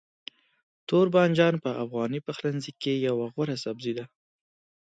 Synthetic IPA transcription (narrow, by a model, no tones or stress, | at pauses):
t̪oɾbɑnd͡ʒɑnpəʔafɣɑnipaxlanzikːejawaɣwaɾasabzid̪a